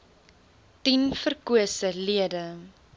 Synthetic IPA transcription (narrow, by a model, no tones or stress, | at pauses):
tinfərkuəsəliədə